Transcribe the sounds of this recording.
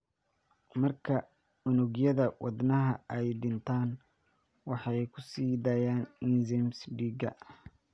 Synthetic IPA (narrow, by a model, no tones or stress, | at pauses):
mɐrkʰɐ | ʊnʊɣjɐðɐwɑd̪nɐɦɐɛjɖɪnt̪ʰaːn | wɑħɑjkʰʊsiːd̪ɐjaːnɪnzɛmsɖiːɡɐ̰